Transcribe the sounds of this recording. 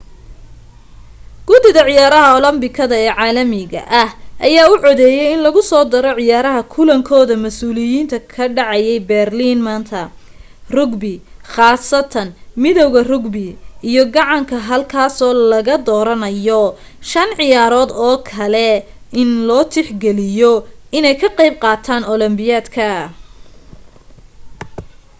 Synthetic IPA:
ɡ̥ʊd̪ɪɣɐʕɪjaːɾɐɦɐɔlɐmbɪkʰɐðɐɛːʕaːlɐmɪɣɐ̰ʔɐhʔɐjaːʊʕɔðɛːjɛjɪnlɐɣʊsɔːd̪ɐɾɔʕɪjaːɾɐɦɐkʰʊlɐŋkʰɔːðɐmɐsuːlɪjiːnt̪ʰɐkʰɐɖɑʕɑjɛjbɛrlinmaːnt̪ʰɐ | rʊɡbɪχɑːsɐt̪ʰɐnmɪðɔwɣɐrʊɡbɪʔijɔɡɑʕɑŋkʰɐɦɐlkʰaːsɔːlɐɣɐd̪ɔːɾɐnɐjɔ | ʃɐnʕɪjaːɾɔːd̪ɔːkʰɐlɛ | ɪnlɔːt̪ʰɪħɡɛlɪjɔʔɪnɛjkʰɐqɑjb̚qɑːt̪ʰaːnɔlɐmbɪjaːd̪kʰɐ

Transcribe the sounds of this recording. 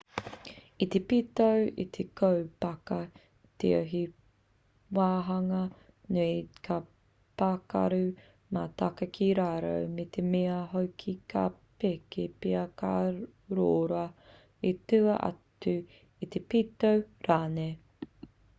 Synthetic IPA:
it̪epitowḭt̪ʰekowpɐkɐ | t̪ḛo̰ɦi | waːɦɐŋɐ | nuikʰa | pakɐ̰ɾʉ | mat̪akɐkʰiɾaːɾo̰wmet̪ʰemeɐɦowkʰikʰa̰pekepeɐka | ɾoːɾoɐ | etʉɐ̰ʔɐ̰tʉ | it̪epit̪owɾaːne

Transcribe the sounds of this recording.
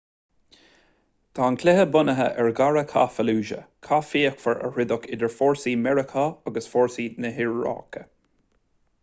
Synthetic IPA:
t̪ʰaːnkʰlɛɦəbʊnəɦəʔɛɹɡaɹəkʰa̰fəluːʒə̰kʰafiːəkfəɹə̰ɹɪd̪ʊkʰɪd̪ɛɹfɔːɹsiːmɛɹəkʰaaɡəsfɔɹsiːnəɦɪɹːɑ̰ːkʰə̥

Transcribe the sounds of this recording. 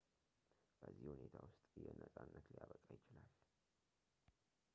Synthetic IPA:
b̥əzːihune̞t̪ʰawʊst̪ʼjɛnəsʼanːət̪lijaβəkʼajɪt͡ʃɪlal

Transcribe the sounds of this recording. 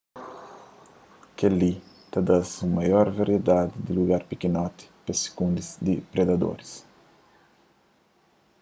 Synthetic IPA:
keli | t̪ad̪asumajɔɾvaɾjed̪ad̪id̪iluɡaɾpikinɔt̪i̥pesi̥kũnd̪izd̪ipɾed̪ad̪o̰ɾis

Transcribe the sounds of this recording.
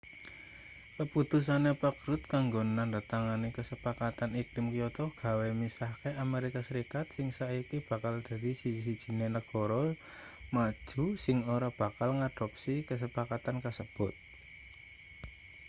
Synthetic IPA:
kəput̪us̬anepəkɾʊt̪̚kaŋɡonandat̪aŋanekəsəpakat̪aniklɪmkijɔt̪ɔɡ̥ä̤wemisahkeʔameɾikasəɾikat̪̚sɪŋsaikib̥ä̤kald̪̥a̤d̪isiid̥ʒ̥i̤nenəɡ̥ɔɾɔl | mad̥ʒ̥ṳsɪŋoɾab̥a̤kalŋad̪̥ɔ̤p̚sikəs̬əpakat̪ankəsəb̥ʊt̪̚

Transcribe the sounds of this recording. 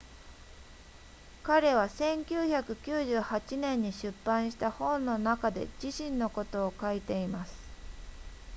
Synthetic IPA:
kaɾe̞β̞asẽ̞ŋkʲɨːçakɯ̟kʲɨːʑɨːhat͡ɕinẽ̞ɲ̟ːiɕɨpːãɰ̃ɕi̥t̪ahõ̞nːo̞nakad̪e̞̰d͡ʑiɕĩnːo̞ko̞t̪o̞ːkait̪e̞imasɨ̥

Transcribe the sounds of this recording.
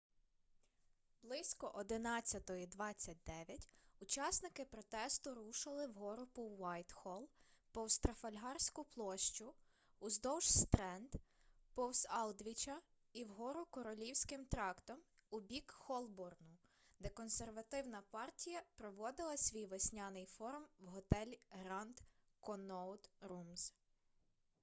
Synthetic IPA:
blˠɪsʲkɔʔɔd̪ɪnɑt͡sʲːɐt̪ɔid̪ʋɑt͡sʲːɐt̚ʲd̪ɛʋʲjɐtʲut͡ʃɑsnɪkɪpɾɔt̪ɛst̪ʊɾuʃɪlˠɪwɦɔɾʊpɔwːɑjt̪xɔlˠpɔwst̪ɾɐfɐlʲɦɑrsʲkʊplˠɔʃt͡ʃʊː | zd̪ɔwʃst̪ɾɛnd̪ | pɔwsɑlˠd̪ʲʋʲit͡ʃɐ | iwɦɔɾʊkɔɾɔlʲiwsʲkɪmt̪ɾɑkt̪ɔmʊbʲikxɔlˠbɔrnʊ | d̪ɛkɔnserʋɐt̪ɪwnɐpɑrtʲijɐpɾɔʋɔd̪ɪlˠɐsʲʋʲijʋesʲnʲɑnɪjfɔɾmwɦɔt̪ɛlʲɦɾɑnd̪ | kɔnɔd̪ɾumz

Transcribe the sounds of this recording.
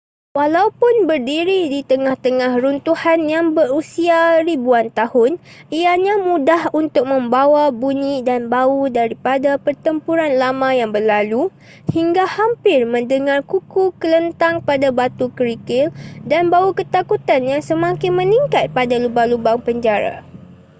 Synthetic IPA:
walaupʊnbərdiɾidit̪əŋaht̪əŋahɾunt̪uhanjaŋbərusiaɾibuant̪ahʊn | iaɲãmũdahunt̪ʊk̚mə̃mbawabuɲĩdanbaudaɾipadapərt̪əmpuɾanlamãjaŋbəlalu | hiŋɡahampɪrmə̃ndəŋarkukukələnt̪aŋpadabat̪ukəɾikɪldanbaukət̪akut̪anjaŋsəmãkɪnmə̃niŋkat̪̚padalubalubaŋpəɲd͡ʒaɾa̰

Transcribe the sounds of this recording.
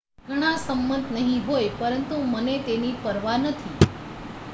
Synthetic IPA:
ɡʱəɽ̃asəmːənd̪ʱnəɦĩɦojpəɾənt̪umənet̪enipəɾʋanət̪ʰi

